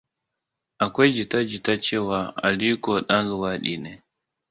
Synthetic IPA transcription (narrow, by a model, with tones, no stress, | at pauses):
a˨kʷa˦d͡ʒi˨ta˦d͡ʒi˨ta˦t͡ʃe˦wa˦a̰˨li˦ko˨ɗa˦ŋ˦ɡə˨wa˦ɗḭ˨ne˨